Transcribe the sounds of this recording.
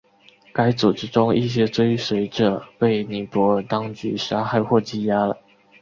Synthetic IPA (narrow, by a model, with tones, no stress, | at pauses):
ka˥ɪt͡su˨˩ʈ͡ʂɻ̩˥ʈ͡ʂʊ˥ŋi˥˩ɕ̬jɛ˥t͡swe˥ɪʂwe˧˥ɪʈ͡ʂɤ˨˩pe˥˩ɪni˨˥pwɔ˧˥˨t̪ɑ˥ŋt͡ɕy˧˥ʂa˥xa˥˧ɪxwɔ˥˧˩t͡ɕi˥˩ja˥lə̰˨˩